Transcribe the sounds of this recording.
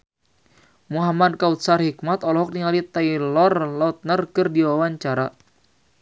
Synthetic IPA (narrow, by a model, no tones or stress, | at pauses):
muɦamadkaut̪̚sarhik̚mat̪ɔlɔɦɔk̚niŋalit̪ailɔrlɔt̪̚nərkɨrdiwawaɲt͡ʃaɾa